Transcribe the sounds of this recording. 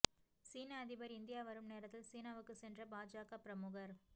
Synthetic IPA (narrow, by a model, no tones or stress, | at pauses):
siːnaɐðɪbɐɾɪnd̪ɪjaːʋɐɾɯmneːɾɐt̪ːɪlsiːnaːʋɯkːɯsɛndrɐbaːd͡ʒaːkapɪɾɐmʊɣɐɾ